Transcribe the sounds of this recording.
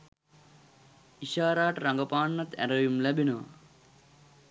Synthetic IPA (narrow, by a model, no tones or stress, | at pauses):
iʃaːɾaːʈɾaŋɡəpaːɳːat̪æ̰ɾəʋjumlæbinəʋɐ̰